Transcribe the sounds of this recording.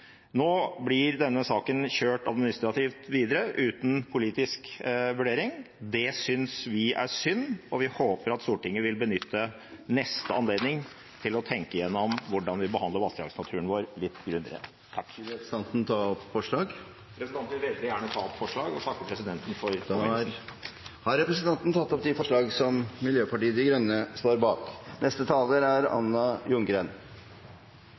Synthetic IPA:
noːblɪɾd̪ɛnːəsɑːkənçøːʈɑd̪mɪnɪst̪ɾɑt̪ʰiːft̪ʋiːd̪əɾəʔʉːt̪n̩pʰʊliːt̪ɪskʋʉɖeːɾɪŋ | d̪ɛsʏnsʋɪæ̰sʏnːɔʋɪhoːpəɾɑt̪st̪uːʈɪŋːəʋɪlbənʏt̪ʰːə | nɛst̪əɑnleːd̪nɪŋ | t̪ʰɪlɔt̪ʰɛŋkəjɛnːɔmʋʊɖɑnʋɪbəhɑnd̪ləɾʋɑst̪ɾɑ̰ːɡsnɑt̪ʰʉːəɳʋoːɾlɪt̪ːɡɾʉnːə̰ɾə̰ | t̪ʰɑkːsɑnt̪n̩t̪ʰɑɔpfɔʂɭɑːɡ | pʰɾɛsənʰɑnt̪ʋɪʋɛld̪ɪjæːɳət̪ʰɑːɔpfɔʂɭɑːɡɔst̪ɑkːəpʰɾɛsɪd̪ɛnt̪n̩fɔɾ | hɑɾɛpɾɛsənt̪ʰɑnt̪n̩t̪ʰɑt̪ːɔpt̪d̪ifɔʂɭɑːɡsɔmmɪljøːpɑʈiːəd̪ɪɡɾœnːəst̪oːɾbɑːknʔɛst̪ət̪ʰɑːləɾæɾɑ̰nːɑjʊŋɡɾen

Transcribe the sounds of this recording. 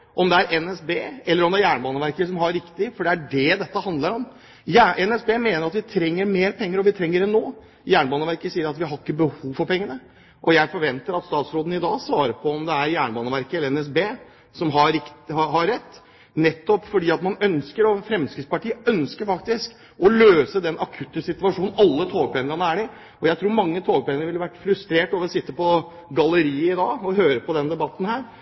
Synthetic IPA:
ʔɔmd̪ɛæɾʔɛnɛsbeːɛlːəɾɔmd̪ɛæjæːɳbɑːnəʋæɾkəsɔmɦɑɾɪkt̪ɪfɔɖɛæɖɛd̪ɛt̪ːəhɑnd̪ləɾɔm | jæɛnɛsbeːmeːnəɾɑt̪ʋɪt̪ʰɾɛŋːəɾmeːɾpʰɛŋːəɾɔʋɪt̪ʰɾɛŋːəɾɛnːoː | jæːɳəbɑːnəʋæɾkəsiːəɾɑt̪ʋɪɦɑɾɪkːəbəhuːʋfɔɾpɛŋːənə | ʔɔjæɪfɔɾʋɛnt̪əɾɑt̪st̪ɑːt̪sɾoːd̪n̩ɪd̪ɑːsʋɑːɾəpʰɔɔmd̪ɛæɾjæːɳəbɑːnəʋæɾkəɛlːəɾɛnɛs̬beː | sɔmɦɑɾɪkɦɑɾɛt̪ː | nɛt̪ːɔpfɔɖiːɑt̪mɑnœnskəɾɔfɾɛmskəspɑʈiːəœnskəɾfɑkt̪ɪsk | ɔløːsəd̪ɛnʔɑkʰʉt̪ːəsɪt̪ʉʋɑʂuːn̩ɑlːət̪ʰoːɡ̚pʰæŋəɾɑnəæɖɪ | ɔjæɪt̪ʰɾuːɾmɑŋːət̪ʰoːɡ̚pæŋənəʋɪləʋæʈːfɾʉst̪ɾeːʈoːʋəɾɔsɪt̪ːəpɔ | ɡɑləɾiːəɪd̪ɑːɔɦøːɾəpɔd̪ɛnd̪ɛbɑt̪ːn̩hæːɾ

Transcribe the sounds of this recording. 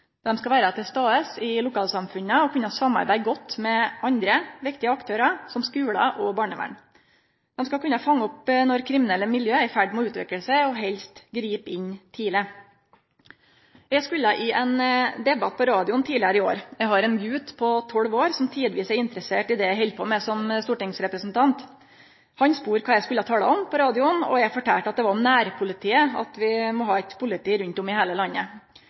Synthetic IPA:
d̪̥ɛmskɑʋæːɾɑt̪ʰɪst̪ɑːəsɪlʊkɑːlsɑmfʉnːəɔkʰʉnːɑsɑmːɑ̰ɾbæɪɡɔt̪ːmɛɑnd̪ɾəʋɪkt̪ɪəɑkt̪ʰøːɾɑsɔmskʉːlɑ̰ʔɔbɑːɳəʋæ̰ɳ | d̪̥ɛmskɑkʰʉnːɑfɑŋːɔpnɔɾkʰɾɪmɪnɛlːəmɪljøːæɾfæɖmɔʉːt̪ʋɛ̰kəlsəɔɦɛlst̪ɡɾiːpɪɲt̪ʰiːlə | jɛskʉlːɑʔɪʔɛnd̪ɛbɑt̪̚pʰɔɾɑːd̪ɪʊnt̪ʰiːlɪəɾəɪo̰ːɾjæɡɦɑɾɛnɡʉːt̪pʰɔt̪ʰɔlʋoːɾsɔmt̪ʰiːd̪əʋiːsæɾɪnt̪ɾəseːʈɪd̪ɛjæɦɛlpʰɔːmɛsɔmst̪uːʈɪŋsɾɛpɾəsnt̪ʰɑnt̪ | hɑnspuːɾkʰɑːjɛskʉlːəɑt̪ʰɑːlə̰ɔmpʰɔɾɑːd̪ɪʊnɔ̰jæɡfɔʈʰæːʈɑt̪̚d̪ɛʋɑɾɔmnæːɾpʰʊlɪt̪ʰiːəɑ̰t̪ʋɪmɔɦɑːɛt̪pʰʊlɪt̪ʰiːɾʉnt̪ɔmɪhæːləlɑnːə

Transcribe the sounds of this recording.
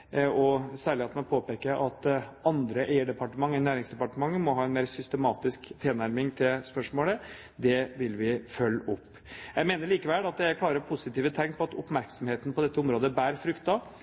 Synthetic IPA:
ɔsæːɭɪhet̪nɛpʰoːpeːkəʔɑt̪ɑnd̪ɾəʔæɪəɖɛpɑʈəmɑŋːnæːɾɪŋsd̪ɛpɑʈəmɑŋːəmɔɦɑːɛnmeːɾsʏst̪əmɑːt̪ɪskt̪ʰɪlnæɾmɪŋt̪ʰɪlspœʂmoːlə | d̪ɛʋɪlʋɪfœlːɔpːjæɪmeːnəɾɭiːkəʋɛlɑt̪̚d̪ækʰlɑːɾəɾpʰʊsɪt̪iːʋət̪ʰɛŋːpʰɔɑt̪ʊpmæɾksɔmheːt̪ənpɔd̪ɛt̪ːəʊmɾoːd̪əbæːɾfɾʏkt̪ɑ

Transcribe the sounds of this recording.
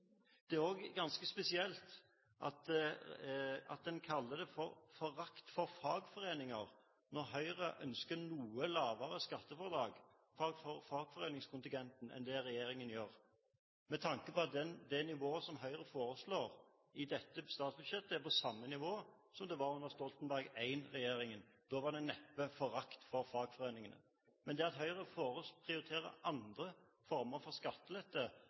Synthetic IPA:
d̪̥ɛæɾoːɡɡɑnskəspɛsɪɛlt̪ | ʔɑ̰t̪ | ɑ̰t̪̚d̪ɛnkʰɑlːəd̪ɛfɔɾfɔɾɑkt̪fɔɾfɑːɡfɔɾeːnɪŋɑʁ | nɔʁɦœʏʁəʔœnskənuːəlɑːʋəɾəskɑt̪ːəfɔʁd̪ɾɑːɡ | fɑːɡfɔɾfɑːɡfɔʁeːnɪŋskʰʊnt̪ɪŋɡ̪ɛnt̪n̩ɛ̰nd̪ɛɾɛjeːɾɪŋənjøːʁ | mɛt̪ʰɑŋkəpɔɑt̪d̪ɛd̪ɛnɪʋoːəsɔmɦœʏʁəfoːɾəsloːʁ | ɪd̪ɛt̪ːəst̪ɑːt̪sbʉd̪ʃjɛt̪ːəpɔsɑmːənɪʋoː | sɔmd̪ɛʋɑɾʊnd̪əʁst̪ɔlt̪ənbæʁɡæɪnʁɛjeːɾɪŋənd̪̥oːʋɑʁd̪ɛnɛpːəfɔɾɑkt̪fɔʁfɑːɡ̥fɔʁeːnɪŋənə̰ | mɛnd̪ɛɑt̪ɦœʏʁəfoːʁəpʰʁɪʊɾɪt̪ʰeːɾə̰ʔɑnd̪ʁə | fɔɾməɾfɔʁskɑt̪ːəlɛt̪ːə

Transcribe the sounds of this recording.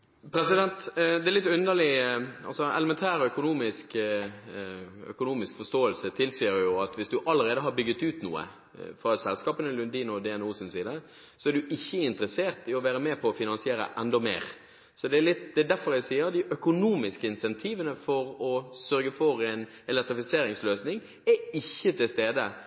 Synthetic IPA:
pʰɾɛsɪd̪ɛnt̪d̪ɛɾlɪt̪ːʉnd̪əʁlɪɑ̰lsɔɛ̰ləmɛnt̪ʰæːɾœkʊnuːmɪsk | œ̰kʊnuːmɪskfɔst̪oːəlsət̪ʰɪlsiːəɾjʊɑt̪ʋɪsd̪ʉʔɑlːəɾeːd̪əɦɑɾbʏɡːət̪ʉːt̪nṵːə̰ | fɾɑːsɛlskɑːpənəlʉnd̪iːnɔd̪ɛɛnuːsɪnsiːd̪ə | sɔæɖ̪ʉʔɪçːəɪnt̪ɾəseːɾt̪ɪɔʋæːɾəmeːpʰɔːfɪnɑnsɪeːɾə̰ʔɛnd̪ɔmḛːɾ | sɔd̪ɛælɪt̪d̪ɛd̪æfɔɾæɪsiːəɾd̪ɪʔœkʊnuːmɪskəɪnsɛnt̪ʰiːʋənəfɔɾɔsœɾɡəfɔɾɛɪn | ɛlɛk̚t̪ɾɪfɪseːɾɪŋsløːsnɪŋ | æɪçːət̪ʰɪlst̪eːd̪ə

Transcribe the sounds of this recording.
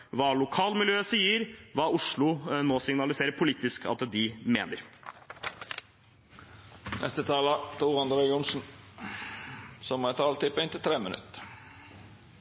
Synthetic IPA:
ʋɑːlʊkʰɑːlmɪljøːsiːəɾʋɑːʊʂɭʊnoːsɪŋnɑlɪseːɾəɾpʰʊliːt̪ɪskɑ̰t̪d̪ɪmḛːnəɾ | nʔɛ̰st̪ət̪ʰɑːlɑt̪ʰuːʁɑnd̪ɾɛɡʊnsn̩ | sɔmæt̪ʰɑːlt̪ʰɪpɛɪnt̪ɪt̪ʰɾeːmənʉ̰t̪

